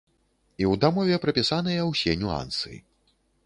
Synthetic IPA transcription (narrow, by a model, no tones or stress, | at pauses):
iwd̪amɔvʲɛpɾɐpʲisanɨjɐwsʲɛnʲua̰nsɨḭ